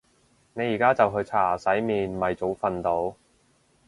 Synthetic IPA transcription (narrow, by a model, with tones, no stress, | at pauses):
ne˨˧jːiː˨˩kaː˥t͡sɐ˨wɦɵ˧ɥt͡sʰaː˨˩sɐ˨˥jmiː˨˧nmɐ˨jt͡so˨˥wfɐ˧nt̪o˨˥w